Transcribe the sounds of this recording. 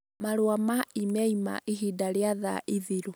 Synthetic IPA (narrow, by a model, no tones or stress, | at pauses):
maɾwamaimɛima̰ʔiɦidaɾeaða̰ʔiðiɾo